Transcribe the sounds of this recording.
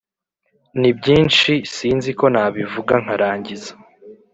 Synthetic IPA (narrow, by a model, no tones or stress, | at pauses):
nibɟiːnt͡ʃisiːnziko̞naːβivuɡaŋ̥aɾaːɲɟiza